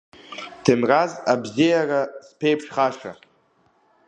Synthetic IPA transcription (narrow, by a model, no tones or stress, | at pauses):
d̥ʰɨmrazabzijaraspʰejpʰʂχaʂa̰